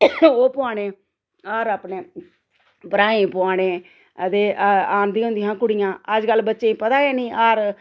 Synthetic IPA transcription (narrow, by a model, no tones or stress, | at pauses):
oːpʊaːɽeː | aːɾaːpneː | bəɾaːĩːpʊaːɽeː | ət̪eːʔaːnd̪iːɦʊ̃nd̪iːɦãːkʊɽijãːəd͡ʒkəlːbətːʃeĩːpət̪aːɡɛːnĩːʔaːɾ